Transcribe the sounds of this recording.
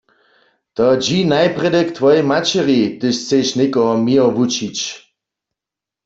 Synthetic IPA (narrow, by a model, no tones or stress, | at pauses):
t̪ɔd͡ʒinajpʁɛdɛkt̪ʰʋɔjmat͡ʃɛʁit̪ɪʃt͡seʃnekɔmiəʋut͡ʃit͡ɕ